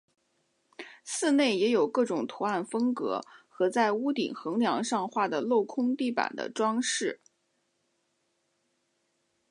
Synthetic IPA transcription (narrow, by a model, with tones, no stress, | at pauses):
sɹ̩˥˧ne˥˩ɪjɛ˧˥jo˨˩ʊkɤ˥˩ʈ͡ʂʊ˨˩ŋt̪ʰu˧˥a˥˩nfɤ˥ŋkɤ̰˧˥xɤ˧˥t͡sa˥˩ɪu˥t̪ḭ˨˩ŋxɤ˧˥ŋljɑ˧˥ŋʂɑ˥˧ŋxwa˥˩d̪ə˩lo˥˩ʊkʰʊ˥ŋt̪i˥˩pa̰˨˩nd̪ə̰˦ʈ͡ʂwɑ˥ŋʂɻ̩˥˩